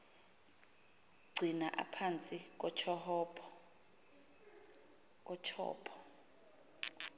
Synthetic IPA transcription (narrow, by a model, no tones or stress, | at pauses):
ɡ͡ǀʱinaʔa̰pʰant͡sʼik̬ɔt͡ʃʰɔhɔpʰɔ | k̬ʼɔt͡ʃʰɔ̰ːpʰɔ̥